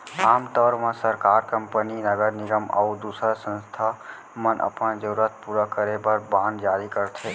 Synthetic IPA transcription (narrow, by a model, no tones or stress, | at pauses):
aːmt̪ɔːɾmãsəɾkaːɾkə̃mpəninəɡəɾnɪɡəmə̰ud̪uːsɾasə̃nst̪ʰa | mənʔə̰pənd͡ʒəɾuɾət̪̚puɾakəɾebəɾbãːnd̪d͡ʒaːɾikəɾt̪ʰeː